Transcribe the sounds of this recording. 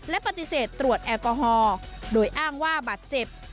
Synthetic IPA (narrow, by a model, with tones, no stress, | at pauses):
lɛ˦˥ʔpa˧t̪i˧˨seː˨˩t̪ːɾu˨˩ət̪̚ʔɛː˧kɔː˧ɦɔː˧doː˧˩jʔaː˥˩ŋwaː˥˩baː˨˩t̪̚t͡ɕe˨˩p̚